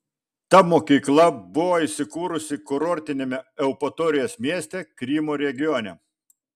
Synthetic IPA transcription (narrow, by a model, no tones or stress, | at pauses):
t̪ɐmoːkʲiːklˠɐbʊʋoːisʲɪkuːɾʊsʲɪkʊɾɔːɾʲt̪ʲɪnʲemʲɛɛʊpɔt̪oːɾʲɪjoːsmʲiɛsʲt̪ʲɛkɾʲiːmoːɾʲɛɡʲɪjoːnʲɛ